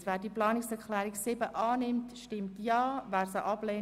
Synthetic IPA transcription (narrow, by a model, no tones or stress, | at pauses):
sʋæːdiəplɑːnɪksɛɾklɛːɾiksɪbəʔɑːnɪmtʃtɪmtjɑːvæːɾsəʔɑb̥leː